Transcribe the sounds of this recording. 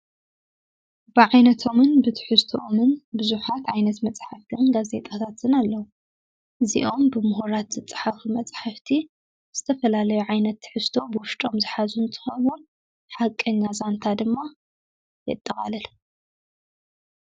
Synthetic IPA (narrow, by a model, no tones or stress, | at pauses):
b̥ɨʕajnɐt̪ʰo̞mɨnbɨt̪ʰɨ̥ħɨst̪ʰoʔomɨnbɨzuħat̪ʕajnɐt̪mɐt͡sʼħaft̪ʰɨnɡaze̞̰t̪ʼat̪ʰat̪ʰɨnalːɐwu | ʔɨzḭʔo̞mbɨmʊhoɾat̪z̥ɨt͡sʼɨ̥ħafumɐt͡sʼħaft̪ʰi | z̥ɨt̪ʰɐfɐlalɐjuʕajnɐt̪ːɨ̥ħɨst̪ʰo̞bɨwʊʃt̪ʼo̞mzɨħazunt̪ʼɨ̥xɐβu | ħakʼːɐɲːazant̪ʰad̪ɨmːa | jɛ̰t̪ʼːɐχa̰lɐl